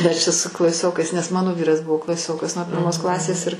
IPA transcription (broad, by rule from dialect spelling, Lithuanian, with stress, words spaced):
ˈmʲɛs t͡ʃʲɛ sʊ klˠɐˈsʲoːkɐɪs nʲɛs ˈmɑːnoː ˈʋʲiːrɐs ˈbʊʋoː klˠɐˈsʲoːkɐs nuɔ pʲɪrˈmoːs ˈklˠɑːsʲeːs ɪr